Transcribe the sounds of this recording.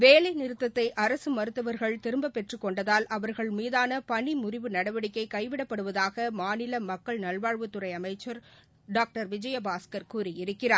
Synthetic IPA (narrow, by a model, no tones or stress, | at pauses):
ʋeːlɐɪnɪɾɯt̪ːɐt̪ːɐɪʔɐɾɐsɯmɐɾɯt̪ːɐʋɐɾɣɐɭt̪ɪɾɯmbɐpːɛʈrɯkːɔɳɖɐðaːlʔɐʋɐɾɣɐɭmiːðaːnɐpɐɳimʊrɪʋɯnɐɽɐʋɐɽɪkːɐɪkːɐɪʋɪɽɐpːɐɽɯʋɐðaːɣɐmaːnɪlɐmɐkːɐɭnɐɭʋaːɻʋɯt̪ːɯrɐɪɐmɐɪt͡ʃːɐɾ | ɖaːk̚ʈɐɾʋɪd͡ʒɐjɐbaːskɐɾkuːriɪɾɯkːɪraːɾ